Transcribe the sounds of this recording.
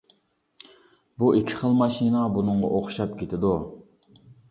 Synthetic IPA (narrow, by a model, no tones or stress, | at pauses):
buʔikʲʰi̥χəlˠmɑʃinɑbunɨŋʁɑ̰ʔoχʊ̥ʃɑp̚kʲʰet̪ʰɪd̪u